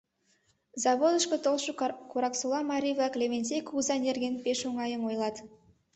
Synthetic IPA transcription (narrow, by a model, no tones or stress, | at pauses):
zɑβod̪əʃkət̪olˠʃəkuɾɑksulˠɑmɑɾʲivlˠɑklʲevʲenʲsekuzɑnʲerɡʲenpeʃoŋɑjəmojlˠɑt̪